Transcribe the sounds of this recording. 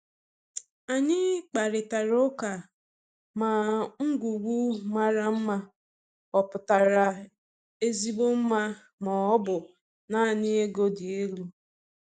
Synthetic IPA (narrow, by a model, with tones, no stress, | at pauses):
a˨ɲɪ˦k͡pa˨ɾɪ˨ta˨ɾʊ˦ka˨ | ma˨ŋ̩˦ɡʷu˨ɡʷu˦ma˦ɾa˦m̩˦ma˦ | ɔ˨pʊ˨ta˨ɾa˨ | e˦zi˦ɡ͡bo˦m̩˦ma˦ | mɔ˨ɔ˦bʊ˨ | na˦˨ɲɪ˦e˦ɡo˦dɪ˨e˦lu˦